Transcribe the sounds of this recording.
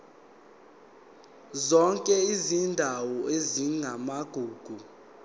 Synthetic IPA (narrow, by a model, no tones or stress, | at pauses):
zɔŋkʼɛizindʱawɔeziŋʱamaɡ̥ʱuːɡ̥ʱu